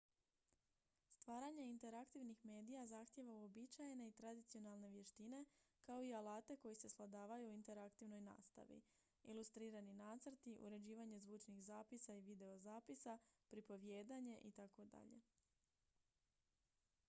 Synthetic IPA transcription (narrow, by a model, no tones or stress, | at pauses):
st̪ʋaːɾaɲe̞int̪e̞ɾakt̪iʋnixme̞ːd̪ijazaxt̪je̞ʋauobit͡ɕajne̞it̪ɾad̪it̪sio̞nalˠne̞ʋje̞ʃt̪ine̞kao̞ialˠaːt̪e̞ko̞jise̞slˠad̪aːʋajuːint̪e̞ɾakt̪iʋno̞jna̰ːst̪a̰ʋḭ | ilˠust̪ɾiːɾaninaːt̪sɾ̩t̪iʔṵɾe̞d͡ʑiːʋaɲe̞zʋuːt͡ʃniɣzaːpisaiʋid̪e̞o̞zaːpisapɾipo̞ʋje̞ːd̪aɲe̞ʔit̪ako̞d̪a̰ʎe̞̰